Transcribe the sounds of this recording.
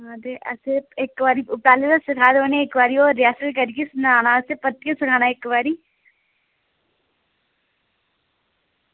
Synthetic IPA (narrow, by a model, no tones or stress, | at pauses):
ãd̪eʔɐseekːʋaːɾiʊp̚ʈaːleɾasɪkʰaːd̪oːneekʋaːɾiɔːɾːijaːsət̪kɐɾkesnaːnaɐsepɐt̪kesɪkʰaːnaekʋaːɾi